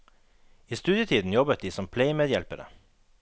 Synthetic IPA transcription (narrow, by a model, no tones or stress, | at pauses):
iːst̪ʉːd̪jət̪ʰiːd̪n̩jɔbət̪̚d̪iːsɔmpʰleɪmeːd̪jɛlpəɾə̰